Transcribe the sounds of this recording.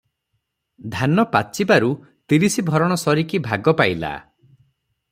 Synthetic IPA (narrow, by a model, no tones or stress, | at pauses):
d̪ʱanɔpat͡ʃibaɾu | t̪iɾisibʱɔɾɔɽ̃ɔsɔɾikibʱaɡɔpajla̰